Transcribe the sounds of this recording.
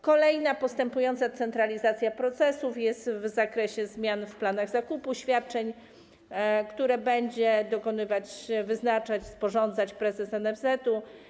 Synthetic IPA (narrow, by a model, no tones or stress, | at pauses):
kɔlɛjnapɔst̪ɛmpujɔnt̪sat̪sɛnt̪ɾalʲizat̪sʲjapɾɔt̪sɛsufjɛst̪vzakɾɛɕɛzmʲjanfplanaɣz̥akupuɕfʲjat̪̚t͡ʂɛɲ | kt̪uɾɛbɛɲd͡ʑɛd̪ɔkɔnɘvat͡ɕvɘznat͡ʂat͡ɕspɔʐɔnd̪zat͡ɕpɾɛzɛsɛnɛvzɛt̪u